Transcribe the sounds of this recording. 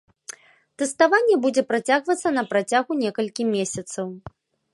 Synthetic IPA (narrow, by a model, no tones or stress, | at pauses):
t̪ɛst̪avanʲːɛbud͡zʲɛpɾat͡sʲaɣvɐt̪sːɐnɐpɾat͡sʲaɣunʲɛkɐlʲkʲimʲesʲɐt̪sɐw